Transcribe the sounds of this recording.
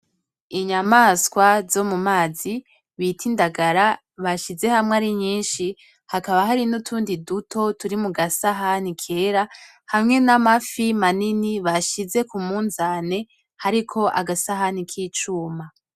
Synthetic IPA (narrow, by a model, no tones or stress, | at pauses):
iɲamaskwazo̞mumaːzi | βitʰindaɡaɾa | βaʃize̞hamŋaɾiɲiːnʃi | hakaβaɦaɾinutʰuːndidutʰo̞tuɾimuɡasaɦanikʰe̞ːɾa | hamŋe̞namafimaniniβaʃize̞kumuːnzane̞ | haɾikʰo̞ʔaɡasaɦanikʰiːt͡ʃuːma